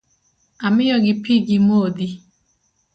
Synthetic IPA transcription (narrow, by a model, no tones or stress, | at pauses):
amɪjɔɡɪpiɡimod̪i